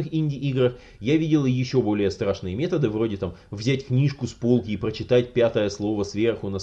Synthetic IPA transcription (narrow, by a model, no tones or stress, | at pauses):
ɨxinʲdʲɪʔiɡɾəx | javʲidʲɪlˠjɪɕːo̞bo̞lʲɪjəst̪ɾaʂnɨjəmʲe̞t̪əd̪ɨvɾo̞dʲɪt̪amvzʲætʲknʲiʂkʊspolˠkʲɪːpɾət͡ɕɪt̪atʲpʲat̪əjəslˠo̞vəsvʲe̞rxʊnɐ